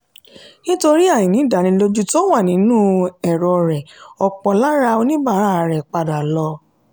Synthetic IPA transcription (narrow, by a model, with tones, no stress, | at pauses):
nĩ˦to˧ɾi˦a˦˨jĩ˨nĩ˨˦˨da˨nĩ˧˦lo˦d͡ʒu˦to˦wa˦˨nĩ˨˦nũ˦ɛ˨ɾɔ˧˨ɾɛ˨ɔ˧k͡pɔ˧la˦ɾa˧o˧nĩ˦ba˦˨˦ɾa˦˨ɾɛ˨k͡pa˧da˨lɔ˧